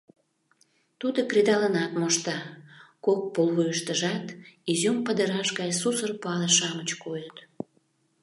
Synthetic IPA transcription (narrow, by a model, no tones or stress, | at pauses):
t̪ud̪okrid̪ɑlənɑt̪moʃt̪ɑkok̚polβujəʃt̪əʒɑt̪izʲumpəd̪əɾɑʃɣɑjsusərpoɑləʃɑmət͡ɕkojət̪